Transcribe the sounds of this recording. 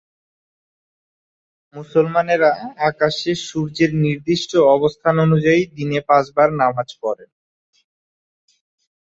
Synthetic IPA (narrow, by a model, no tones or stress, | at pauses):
musolmaneɾaakaʃeʃuɾd͡ʑeɾniɾd̪iʃʈoɔbost̪ʰanonud͡ʑaid̪inepãd͡ʑbaɾnamad͡ʑkɔɾen